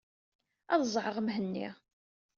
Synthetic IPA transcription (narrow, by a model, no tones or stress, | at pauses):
ɑðzˤʕəʁmɦənːḭ